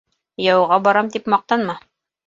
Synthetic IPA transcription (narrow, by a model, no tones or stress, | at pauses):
jɑwʁɑbɒɾɑmt̪ipmɑq̚t̪ɑnmɑ